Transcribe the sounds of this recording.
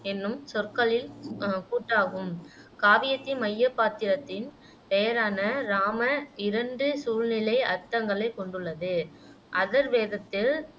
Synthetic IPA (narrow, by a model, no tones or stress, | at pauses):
ɛnːɯmsɔrkɐɭɪlkuːʈːaːɣɯm | kaːʋɪjɐt̪ːimɐjːɐpːaːt̪ɪɾɐt̪ːɪn | pejɐɾaːnɐɾaːmɐɪɾɐɳɖɯsuːlnɪlɐɪɐɾt̪ːɐŋɡɐɭɐɪkːɔɳɖɯɭːɐðɯ | ʔɐðɐɾʋeːðɐt̪ːɪl